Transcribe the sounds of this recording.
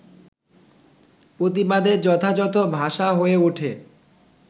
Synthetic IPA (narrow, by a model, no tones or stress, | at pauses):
pɾot̪̬ibad̪ed͡ʑɔt̪ʰad͡ʑɔt̪obʱaʃaɦoeuʈʰe